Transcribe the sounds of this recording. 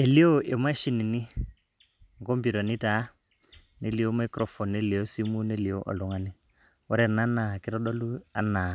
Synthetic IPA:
ɛ˨li˦ɔ˦ʔe˨ma˦ʃi˨ni˨ni˦ | ŋɡɔ˦mbi˨ɾɔ˨ni˦ta˨˦ | ni˦li˨ɔ˦ma˦ikɾɔ˨fɔ˨nːɛ˦li˨ɔ˦si˦mu˦nɛ˦li˨ɔ˦ʔɔ̰˨lɔ˨˦ŋa˨ni˦ | ɔ˦ɾɛ˨na˦na˨ki˦ɾɔ˦ɗɔ˦lu˦a̰˨˦na˨

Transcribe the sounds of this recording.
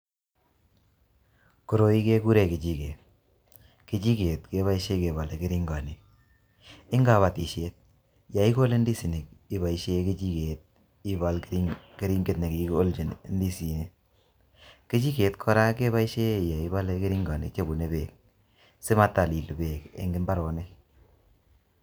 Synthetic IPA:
ko˨ɾo˨i˦ke˦ku˦ɾe˨ke˨t͡ʃi˦ke˨ | ke˨t͡ʃi˦ke˨tke˦βa˦i˦ʃe˦ke˨ba˨le˨ke˦ɾi˦ŋɡa˨ni˨k̚ | ɪ˦ŋɡa˨βa˨ti˨ʃe˦t̚ | ja˨i˦ko˦le˦ndi˦si˨ni˨k̚i˦ba˨i˨ʃe˦ke˦t͡ʃi˦ke˨t̚ | i˦ba˨lki˦ke˦ɾi˦ŋɡe˦tne˨ki˨ko˦ld͡ʒi˨n˦ndi˦si˨ne˦ | ke˦t͡ʃi˦ke˨tkʰɔ˦ɾa˦ke˦βa˦i˦ʃe˦˨ja˨i˨˦ba˦le˦ke˦ɾi˦ŋɡa˨nḭ˨t͡ʃe˦bu˨ne˦bḛ˨k̚ | sɪ˦ma˦ta˨li˨lbe˨kḛ˦ŋɡɪ˦mba˦ɾɔ˨nɛ˦

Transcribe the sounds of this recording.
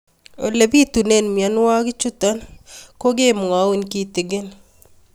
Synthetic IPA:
o̰˨le˨bi˦tu˨ne˦˨nmja˨n˦wa˦ɡɪ˦t͡ʃu˦ta˦nko˦ɡe˦m˨a˨˦u˦nki˦tɪ˨ɡɪ˦n

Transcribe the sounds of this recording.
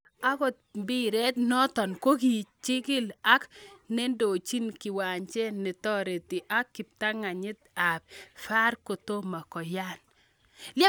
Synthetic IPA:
a˦kɔ˨t̪̚bi˦ɾɛ˦t̪nɔ˦tɔ˨nko˦ki˨t͡ʃɪ˦kɪ˦la˦kne˦ndo˨t͡ʃi˦nkɪ˨wa˨ɲt͡ʃɛ˦nɪ˨tɔ˦ɾe˨t̪ɪ˨ʔa˦kːɪ˨p̚ta˦ŋa˨ɲɪ˦t̪̚a˨p̚fa˦ɾko˨to˦ma˨kɔ˨ja˦n | lja˦

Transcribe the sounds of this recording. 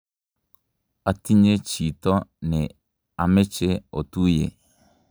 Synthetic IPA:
a˨ti˦ɲe˦t͡ʃi˨tɔ˦nɪ˨ | a˨mɪ˦t͡ʃɪ˦o̰˨tu˦jḛ˨

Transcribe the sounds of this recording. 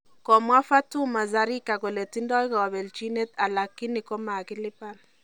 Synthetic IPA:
kɔ˨mwa˦fa˦tʊ˦ma˨za˨ɾi˦ka˨ko˨le˨ti˦ndɔ˦ka˨wa˨be˨lt͡ʃi˦ne˦ta˨la˨kːi˦nɪ˨ko˦ma˨kɪ˦lɪ˦pa˦l

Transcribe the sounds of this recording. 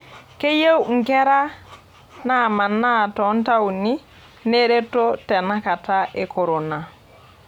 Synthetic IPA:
ke˦je˦wŋ̩ke˦ɾa˦ | nama˨nːa˦tɔ˨˦nta˦wni | ne˦ɾe˦to˦te˨na˦ka˨taʔe˨ko˨ɾo˨na˨

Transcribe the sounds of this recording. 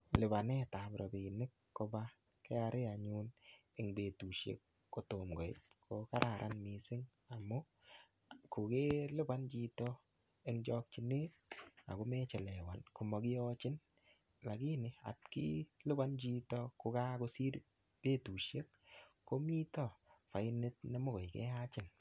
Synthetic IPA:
lɪ˨ba˨nɛ˦ta˨bɾɔ˨be˨nɪ˦kːo˧ba˦ | kɛ˦a˧ɾe˦a˨ɲu˦ne˨ŋbe˨tu˨ʃjḛ˦kː | o˦to˨mɡɔ˨ɪ̰˦t̚kʰoka˦ɾʔa˨ɾʔa̰˦nmi˨sɪ˦ŋ | a˨mʊ˦ | kʊ˨ke˦lɪ˦ba˦nd͡ʒi˦tɔ˦ | e˦ŋd͡ʒɔ˧k̚t͡ʃi˨ne˦ | a̰˨kʊ˦mɛ˦t͡ʃɛ˨lɛ˨wa˨nku˨mɔ˨ɡɪ˦ɔ˦t͡ʃɪ˦n | la˨ki˦nɪ˨a̰˨tkḭ˦lʊ˦ba˦nd͡ʒi˧tɔ˦kʊ˧ka˦ko˦si˦ɾ | b̥e˦tu˨ʃje˦kː | o˦mi˦tɔ˦˨pa˨ɪ˦ne˦t̚ne˦mʊ˦kɔ˨jkɛ̰˦a˦t͡ʃɪ˦n

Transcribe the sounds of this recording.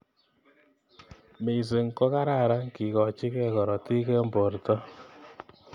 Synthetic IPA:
me˨i˨s̬e˨ŋkɔ˦ka˦ɾa˦˨ɾa˦ŋki˨kɔ˨t͡ʃi˦kɛ˦kɔ˨ɾɔ˨ti˦kɛ˦mbo˨rtɔ˦

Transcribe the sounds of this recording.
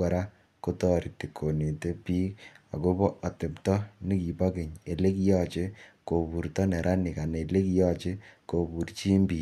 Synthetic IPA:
a˨ɾa˦ | ko˦tɔ˦ɾi˨ti˨kʰːo˨ne˨te˦piː˦a̰˨ko˦bɔ˦ʔa˨te˨ptɔ˦ni˦ki˨ba˦ke˨ɲe˨le˦ki˦jɔ˦t͡ʃe˦ko˨bu˨ɾtɔ˦nɛ˨ɾʔa˦nɪ˨ka˨ne˨le˦ki˦jɔ˦t͡ʃe˦ko˨bu˨ɾt͡ʃi˦mbi˨

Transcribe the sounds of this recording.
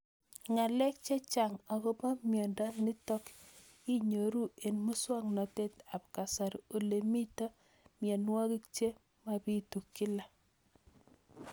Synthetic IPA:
ŋa˨lɛ˦k̚t͡ʃe˦t͡ʃa˨ŋa˨ko˦pa˦mjɔ˨nda˦ni˦tɔ˦k | i˦ɲo˨ɾu˦e˨nmu˦swa˦ŋnɔ˨te˦ta˨pka˨sa˨ɾo˨le˨mi˦tɔ˦ | mjɛ˨nwa˦ki˦kt͡ʃe˦ | ma˦pi˦tu˨kːi˦la˨

